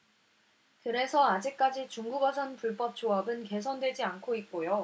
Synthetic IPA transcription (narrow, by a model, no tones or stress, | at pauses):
kɯɾe̞sʰʌad͡ʑik̚k͈ad͡ʑit͡ɕuŋɡuɡʌsʰʌnpuɭp͈ʌp̚t͡ɕ͈oʌbɯnke̞s̬ʰʌndwe̞d͡ʑiankʰoit̚k͈ojo